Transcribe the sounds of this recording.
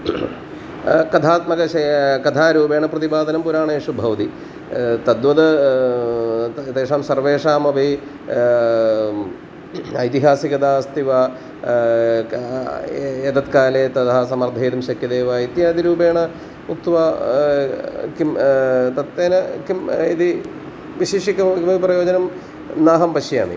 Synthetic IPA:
kɐd̪ʰʱaːt̪mɐɡɐɕɐkɐd̪ʰʱaːɾuːbeːɳɐprɐt̪ibaːd̪ɐnɐmpuɾaːɳɐeːʂubʱɐʋɐt̪i | t̪ɐd̪ʋɐd̪ɨ | t̪eːʂaːmsɐrʋeːʂaːmɐbʱi | ɐjt̪iɦaːsiɡɐd̪aːst̪iʋa | et̪ɐt̪kaːlet̪ɐd̪ɐɦɐsɐmɐrd̪ʱɐjːd̪ɐmɕɐkjɐd̪eːʋait̪jaːd̪iɾuːbeːɳɐ | muk̚t̪ʋaː | kimt̪ɐt̪ːeːnɐkimid̪i | ʋiɕiːʂikːɐmɐʋiprɐjoːd͡ʑɐnɐm | naːɦɐmpɐʂja̰ːmḭ

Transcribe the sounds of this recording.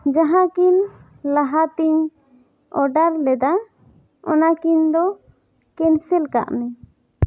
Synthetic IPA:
d͡ʒaɦãkin | laɦat̪iɲ | ɔɖaɾlɛd̪a | ɔ̰nakiɲd̪ɔ | kɛnsɛlka̰ʔmɛ

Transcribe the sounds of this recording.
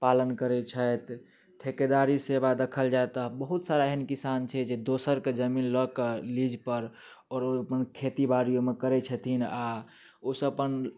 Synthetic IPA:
palənkəɾɛt͡ʃʰət̪ | ʈʰeked̪aɾisebad̪əkʰəld͡ʒaet̪əɦbəɦut̪saɾaɦɛnkisant͡ʃʰɛd͡ʒed̪osəɾked͡ʒəminləkelid͡ʒpəɾ | ɔːɾoəpənkʰet̪ibaɾijomekəɾɛt͡ʃʰət̪ʰina | osəpən

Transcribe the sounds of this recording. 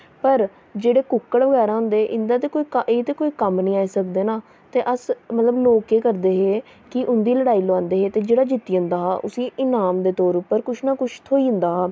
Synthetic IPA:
pəɾ | d͡ʒeːɽeːkʊkːəɽʋəɡɛːɾãːɦʊ̃nd̪eːʔɪ̃nd̪aːt̪eːkoːiːkeːt̪eːkoːiːkəmnĩːaːiːsəkd̪eːnaː | t̪eːʔəsmət̪ləbloːkeːkəɾd̪eːɦeː | kɪʔʊnd̪iːləɽaːiːləʋãːnd̪eːɦeːt̪eːd͡ʒeːɽaːd͡ʒɪt̪ːiːə̃ːnd̪aːɦaːʔʊsiːʔɪnaːmd̪eːt̪ɔːɾʊpːəɾkʊʃʰnaːkʊʃʰt̪ʰoːiːʊ̃nd̪aːɦaː

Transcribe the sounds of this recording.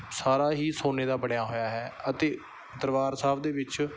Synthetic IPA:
saːɾaːɦiːsoːneːd̪aːbəɳjaːɦoːjaːɦɛːət̪eː | d̪əɾʋaːɾsaːʋd̪eːʋɪt͡ʃ

